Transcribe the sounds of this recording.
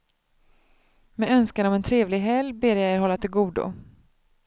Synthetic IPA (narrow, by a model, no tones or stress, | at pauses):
mɛœnskanɔmɛnt̪ʰɾeːvlɪɡɦɛlbeːɾjajeːɾɦɔlːat̪ʰɪlɡuːd̪ʊ̰